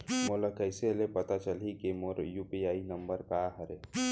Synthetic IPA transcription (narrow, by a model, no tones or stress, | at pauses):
molakəɪselepɐt̪at͡ʃəlikemoɾjuːpiaːinəmbəɾkaɦəɾe